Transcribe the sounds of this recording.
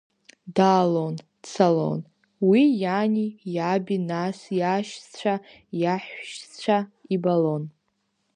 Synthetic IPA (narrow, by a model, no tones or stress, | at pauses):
daːlon | sʰalo̰n | wijanʲijabinasjaʃt͡ɕʷʰa | jaħʷʃt͡ɕʷʰaibalon